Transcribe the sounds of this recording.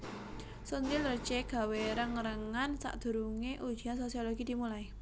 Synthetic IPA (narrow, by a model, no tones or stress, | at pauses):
sunt̪ilərt͡ʃeɡ̥a̤weɾəŋəɾəŋansa̰ʔd̪̥ṳɾuŋeʔud̥ʒ̥i̤ansosioloɡ̥id̪̥imulai